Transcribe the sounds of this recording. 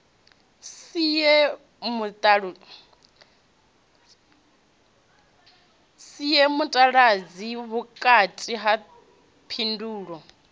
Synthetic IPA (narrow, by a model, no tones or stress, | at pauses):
sijɛ | mutʼɺ | sijɛmutʼaɺad͡ziβukʼatʼiɦa | pʰinduːɺɔ